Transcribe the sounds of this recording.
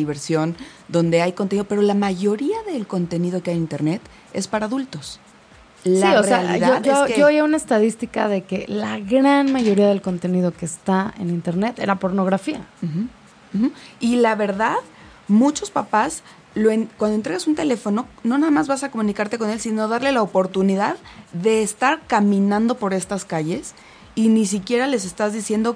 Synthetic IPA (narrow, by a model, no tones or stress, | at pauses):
iβe̞ɾsjo̞nd̪o̞nd̪e̞ajkont̪eniðo̞pe̞ɾo̞lamaʝo̞ɾiaðe̞lko̞nt̪e̞niðo̞keajint̪e̞ɾne̞t̪ | e̞̰spaɾaːðult̪o̞s | lsioseealiðaoʝooojaunaest̪aðist̪ika̰ðe̞ke̞laɣɾanmaʝo̞ɾiaðe̞lko̞nt̪e̞nið̞o̞ke̞st̪aḛnint̪e̞ɾne̞t̪ḛɾapo̞ɾno̞ɣɾafia̰m̩x̩ | xm̩ilaβe̞ɾðað | mut͡ʃo̞spapas | lo̞enkwand̪ont̪ɾeɣasunt̪e̞le̞fo̞no̞no̞naðamazβasako̞mũnikaɾt̪e̞ko̞ne̞lsino̞ðaɾle̞laopo̞ɾt̪uniðaððe̞ːst̪aɾkamĩnãnd̪o̞po̞ɾe̞st̪askaʝe̞s | inis̬ikje̞ɾale̞s̬e̞st̪azðisje̞nd̪o̞